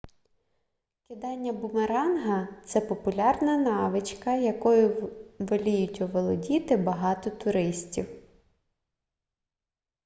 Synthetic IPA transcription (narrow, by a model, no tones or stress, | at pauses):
kʲɪd̪ɑnʲːɐbʊmeɾɑnɦɐt̪sɛpɔpʊlʲɑrnɐnɑʋɪt͡ʃkɐjɐkɔjʊʋɐlʲijʊtʲʊʋɔlˠɔdʲit̪ɪbɐɦɑt̪ɔt̪ʊɾɪsʲtʲiw